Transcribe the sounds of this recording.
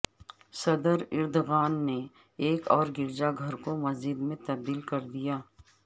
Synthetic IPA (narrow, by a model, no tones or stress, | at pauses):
sɐd̪əɾɪɾd̪oɣaːnːe | eːkɔːɾɡɪɾd͡ʒaɡʱɐɾkomɐzɪd̪mẽt̪ɐb̚d̪iːlkɐɾd̪ijaː